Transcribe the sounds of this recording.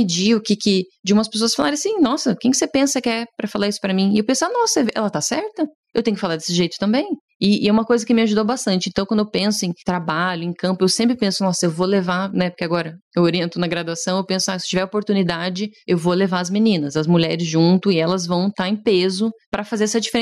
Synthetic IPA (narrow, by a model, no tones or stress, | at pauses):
pɪd͡ʒiʊkɪkɪd͡ʒɪũmɐspes̬oɐsfalaɾẽasĩnɔsɐkẽj̃kɪ̥sepẽsɐkɪɛpɾɐfalaɾisʊ̥pɾɐmĩewpẽsʊanɔsɛɛ̰lɐt̪asɛɾt̪ɐ | ewt̪ẽjʊkɪfalaɾd̪e̥sɪʒejt̪ʊ̥t̪ɐ̃mbẽj̃ | ɪɛũmɐkojzɐkɪmɪaʒud̪owbast̪ɐ̃nt͡ʃɪẽnt̪ɐ̃w̃kwɐ̃d̪ewpẽsʊẽj̃t̪ɾabaʎʊẽj̃kɐ̃mpʊewsẽmpɾɪpẽsʊnɔsɐewvolevanɛpoɾkeaɡɔɾɐewoɾiẽnt̪ʊnɐɡɾad̪uasɐ̃w̃ewpẽsʊasɪ̥t͡ʃivɛɾopoɾt̪unid̪ad͡ʒɪewvolevaɾɐzmenĩnɐzɐzmuʎɛɾɪzʒũt̪ʊɪɛlɐzvɐ̃w̃t̪aɾẽpezʊpɾɐfazeɾɛsɐd͡ʒifeɾẽ